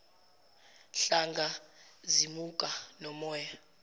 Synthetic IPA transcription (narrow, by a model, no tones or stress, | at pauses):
ɬaŋɡʱazimukʼanɔmɔja